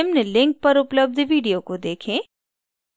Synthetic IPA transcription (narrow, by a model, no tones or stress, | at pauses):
mnlɪ̃ŋk̚pɐɾʊpləb̚d̪ʋiːɖijokod̪eːkʰẽː